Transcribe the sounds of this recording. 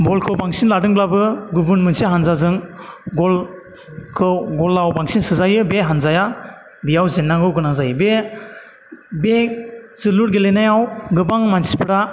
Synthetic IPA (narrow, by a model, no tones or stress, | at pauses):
bɔlkʰɯbaŋsinladɯŋblabɯɡubɯnmɯnsiɦanzazɯŋɡɔl | kʰɯɡɔlːawbaŋsinsɯzajɯbeɦanzaja | bijawzenːaɡɯwɡɯnazajbe | bez̥ɯluɾɡelenajawɡɯbaŋmansipʰɯɾa